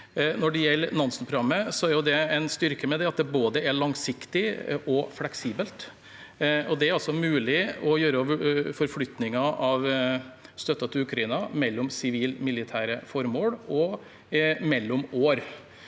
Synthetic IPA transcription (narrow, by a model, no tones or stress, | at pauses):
nɔɖɛjɛlːnɑnsənpɾʊɑmːəsɔæɾjʊd̪ɛɛɪnst̪ʏɾkəmɛd̪ɛɑt̪d̪ɛboːd̪əæɭɑŋsɪkt̪ɪʔɔflɛksiːbəlt̪ | ɔd̪ɛæɾɑlsɔmʉːlɪɔjøːɾəɔʋəfɔɾflʏt̪nɪŋɑʔɑʋ | st̪œt̪ːɑt̪ʰɪlʉkʰɾɑinɑmɛlːɔmsɪʋiːlmɪlɪt̪ʰæːɾəfɔɾmoːɽɔ | mɛlːɔmoːɾ